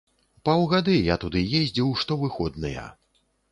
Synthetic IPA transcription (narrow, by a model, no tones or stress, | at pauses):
pawɣad̪ɨjat̪ud̪ɨjezʲd͡zʲiwʂt̪ɔvɨxɔd̪nɐjɐ̰